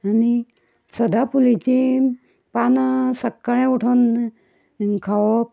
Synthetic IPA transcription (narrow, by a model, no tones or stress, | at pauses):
ani | səd̪apulit͡ɕi | pansəkːəɭ̃ẽuʈʰən | kʰaʋɔ